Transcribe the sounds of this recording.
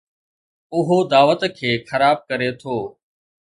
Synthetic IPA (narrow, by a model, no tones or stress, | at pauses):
ʊɦod̪aːʋət̪kʰeːxəɾaːb̚kəɾet̪ʰoː